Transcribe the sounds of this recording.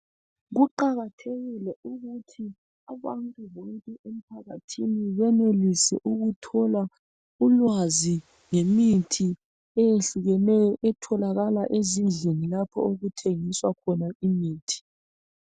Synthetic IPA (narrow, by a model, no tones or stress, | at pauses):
ɣuǃaɣatʰeɣilɛuɣutʰi | aβantʼuβoŋkʼɛʔem̩pʰaɣatʰiniβɛnelisɛ̰ʔuɣutʰɔla | ulwazi | ŋemitʰi | ɛjeɬuɣɛnɛɛtʰɔlaɣalaʔezind͡ɮʱenilapʰɔ̰oɣutʰeŋiswakʰɔnaimiːtʰi̥